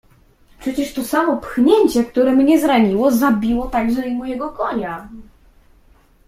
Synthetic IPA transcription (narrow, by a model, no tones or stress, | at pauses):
pʂɛt͡ɕɛʂt̪ɔsamɔpxɲɛɲt͡ɕɛk̚t̪uɾɛmɲɛzɾaɲiwɔzabʲiwɔt̪aɡʐɛimujɛɡɔkɔɲa